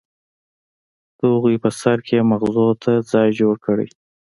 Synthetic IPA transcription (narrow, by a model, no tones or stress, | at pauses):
d̪̥oɣipəsaɾkʰemaɣzot̪ʰad͡zɑjd͡ʒoɽkəɽə̰j